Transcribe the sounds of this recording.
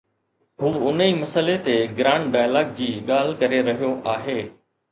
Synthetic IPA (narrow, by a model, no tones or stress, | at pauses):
ɦuːʊniːmɐsəlet̪eɡɾãːɳʈɖaːjlaːɡ̚d͡ʑiːɠaːl̤kɐɾeɾɐɦijoʔaːɦeː